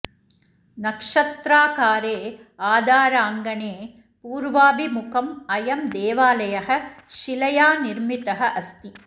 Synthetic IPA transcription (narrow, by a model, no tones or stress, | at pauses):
nɐkʂɐt̪ɾaːkaːɾeːaːd̪ʱaːɾaːŋɡɐneː | puːɾʋaːbimʊkɐmɐjɐmd̪eːʋaːlɐjɐɦɐʃɪlɐjaːnɪɾmit̪ɐɦɐʔɐst̪i